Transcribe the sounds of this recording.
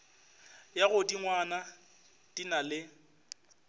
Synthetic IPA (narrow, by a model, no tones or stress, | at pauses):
jaɣʊdiŋwana | d̥inalɪ